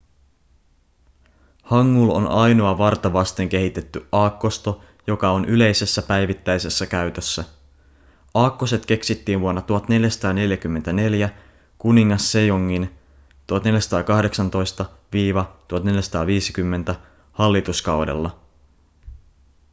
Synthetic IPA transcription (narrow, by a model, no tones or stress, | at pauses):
hɑŋːulo̰nɑjno̞ɑʋɑrt̪ɑʋɑst̪e̞ŋk̟e̞ɦit̪e̞t̪ːyʔɑːkːo̞st̪o̞ | jo̞kɑo̞nʔyle̞jse̞sːæpæjʋit̪ːæjse̞sːækæyt̪øsːæ | ʔɑːkːose̞t̪k̟e̞ksit̪ːiːnʋuonːɑt̪uɦɑt̪ne̞ljæsɑ̥t̪ɑːne̞ljækymːent̪æne̞ljæ | kuniŋːɑsːe̞joŋːin | t̪uɑt̪neljæsɑ̥t̪ɑːkɑhde̞ksɑnt̪o̞jst̪ɑʋiːʋɑt̪uhɑt̪ne̞ljæsɑ̥t̪ɑːʋiːsi̥kymːe̞nt̪æ | hɑlːit̪uskɑwdḛlːɑ